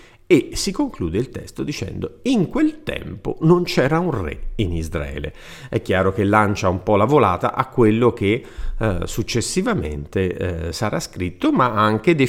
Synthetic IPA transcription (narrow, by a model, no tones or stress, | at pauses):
esːikoŋkluːd̪eilt̪ɛ̰st̪od̪it͡ʃɛ̰nd̪oiŋkwelt̪ɛ̰mpo̰nont͡ʃɛːɾaunrɛ̰inizɾa̰ɛ̰ːlḛ | ɛkːjaːɾok̟elːant͡ʃaumpɔlavola̰ːt̪a̰ʔakːwelːok̟e | sut͡ʃːesːivamḛnt̪esaɾʔaskɾit̪ːomaaŋk̟ed̪e